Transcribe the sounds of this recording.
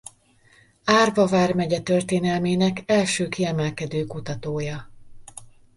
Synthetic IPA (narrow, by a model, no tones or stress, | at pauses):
aːrvɒvaːrmɛɟɛt̪ørt̪eːnɛlmeːnɛkɛlʃøːkiɛmɛlkɛd̪øːkut̪ɒt̪oːjɒ